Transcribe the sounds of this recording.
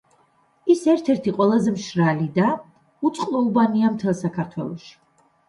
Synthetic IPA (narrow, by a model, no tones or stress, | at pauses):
isɛɾt̪ʰɛɾt̪ʰiqʼwɛlˠazɛmʃɾalid̪a | ut̪sʼqʼlulˠbaniamt̪ʰɛlˠsakʰaɾt̪ʰwɛ̰lˠɔʃi̥